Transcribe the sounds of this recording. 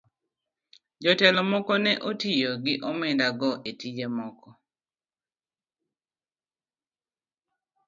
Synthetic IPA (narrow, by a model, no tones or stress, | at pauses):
d͡ʒɔtɛlɔmɔkɔnɛʔotijoɡɪʔɔmɛndaɡɔʔetid͡ʒemɔkɔ